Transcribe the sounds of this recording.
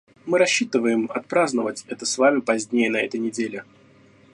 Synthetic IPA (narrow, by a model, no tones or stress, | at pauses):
mɨɾɐɕːit̪ɨvəjɪmɐt̪̚pɾaznəvətʲɛt̪əsvamʲɪpɐzʲnʲejənɐɛt̪əjnʲɪdʲelʲɪ